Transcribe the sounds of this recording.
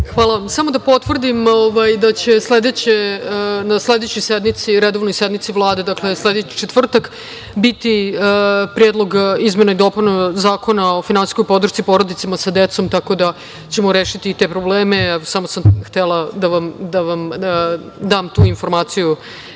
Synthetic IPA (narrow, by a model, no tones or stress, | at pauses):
xʋaːlˠaʋamsamo̞d̪apo̞t̪ʋr̩d̪imoʋajd̪at͡ɕe̞sled̪et͡ɕenasled̪et͡ɕojsed̪mit̪siɾed̪o̞vno̞jsed̪mit̪sivlˠaːd̪e̞d̪akle̞sle̞d̪et͡ɕi̥t͡ʃet̪vr̩t̪ak | bit̪iəpɾjed̪lo̞ɡizmenaid̪o̞punazaːko̞nao̞finansi̥skojpo̞d̪r̩ʃt̪sipo̞ɾod̪it̪samasad̪et̪so̞mt̪ako̞d̪a | t͡ɕemoɾeːʃit̪iːt̪e̞pɾobleːmeɛʋosamosamxt̪elˠad̪aʋamd̪aʋam | d̪aːmt̪uːinfo̞ɾmaːt̪siju